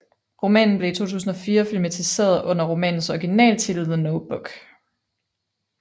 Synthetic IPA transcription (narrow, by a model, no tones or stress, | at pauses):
ʁo̝mɛ̰ːnn̩ble̝it͡sʰo̝̰ːt͡sʰṵːsn̩ɒ̽fiːɐfilmæt͡sʰise̝̰ːɐðˠɔ̽n̰ɐʁomɛ̰ːnn̩sɒiɡ̥inɛ̰ːlt͡sʰe̝lið̩̰ˠnoʊb̥ɔɡ̥